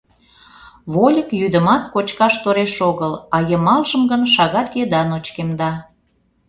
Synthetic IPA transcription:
βolʲəkjyd̪ə̆mɑt̪̚kot͡ɕkɑʃt̪oɾeʃoɣəlɑjəmɑlʒəmɡənʃɑɣɑt̪jed̪ɑnot͡ɕkemd̪ɑ

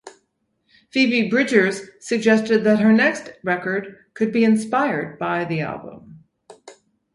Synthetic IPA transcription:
fivibɹɪd͡ʒə˞z̥sɨɡ̚d͡ʒɛstɨd̪̚ðɨt̚ɦə˞nɛkstɹɛkə˞d̚kʰɨd̚biɨ̃nspaɪə˞d̚baɪðiæ̰lˠbə̰̃m

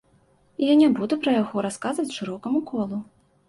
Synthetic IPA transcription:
ijanʲabud̪upɾɐjaɣɔɾaskazvɐt͡sʲʂɨɾɔkɐmukʰɔlˠu

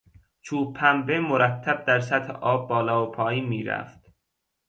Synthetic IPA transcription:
t͡ʃʰuːpʰæmbemoɾæt̪ʰːæb̚d̪æɾsæt̪heʔɒːbːɒːlɒːopʰɒːjiːnmiːɾæ̰ft̪

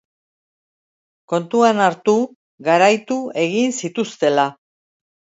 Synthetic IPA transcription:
ko̞nt̪uanaɾt̪u | ɣaɾajt̪ue̞ɣinsit̪ust̪e̞la

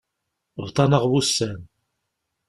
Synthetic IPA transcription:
vt̪ˤɑnəʁwusːæn

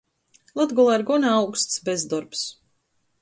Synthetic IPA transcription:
lˠat̪ɡɔlˠaiɾɡɔnaawkst̪sbezd̪ɔɾps

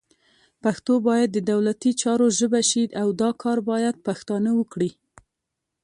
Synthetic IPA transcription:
paxt̪obɑjad̪ːəd̪awlat̪it͡ʃɑɾoʒəbaʃiawd̪ɑkʰɑɾbɑjad̪̚paxt̪ɑnəwəkɽi

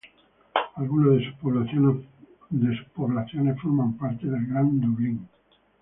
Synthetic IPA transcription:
alɣunazðesupo | d̪esu̥poβlaθjonesfoɾmampaɾt̪eðelɡɾand̪oβliŋ

